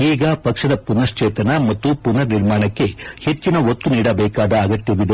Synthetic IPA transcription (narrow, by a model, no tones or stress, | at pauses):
iːɡɐpɐkʂɐd̪ɐpunɐɾt͡ʃeːt̪ɐnɐmɐt̪ːupunɐɾniɾmaːɳɐkːe̞he̞t͡ʃːinɐot̪ːuniːɽɐbɛːkaːd̪ɐːɡɐt̪jɐʋid̪e